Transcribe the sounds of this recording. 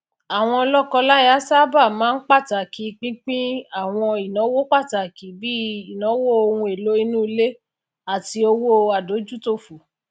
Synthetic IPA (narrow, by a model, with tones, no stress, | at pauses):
a˨w̃ɔ̃˧lɔ˦kɔ˧la˦i˦a˨˦sa˦ba˦˨mãː˨˦n̩˦k͡pa˦˨ta˨ki˨˦k͡pĩ˦k͡pĩ˦a˦˨w̃ɔ̃˧i˨nã˨˦wo˦k͡pa˦˨ta˨ki˨˦bi˦i˨nã˨˦wo˦o˧ũ˧e˨lo˨˦i˧nũ˦˧˦le˦ | a˦˨ti˧o˧wo˦˧a˨do˨˦d͡ʒu˦to˦˨fu˨